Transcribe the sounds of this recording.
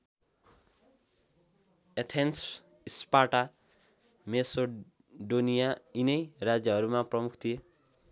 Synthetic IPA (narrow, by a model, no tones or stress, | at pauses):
et̪ʰens | ispaʈa | meso | ɖonijainejɾad͡ʒjʌɦʌɾumãpɾɔmukʰt̪ʰie